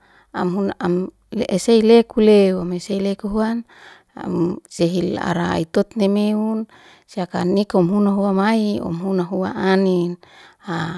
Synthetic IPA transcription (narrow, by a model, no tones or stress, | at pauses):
amɦunaam | lʔeseilekulewameseilekuɦuan | a̰mseɦila̰ɾaa̰it̪ot̪̚nemeun | siakanikɔmɦunaɦuamaiɔ̰mɦunaɦua̰anina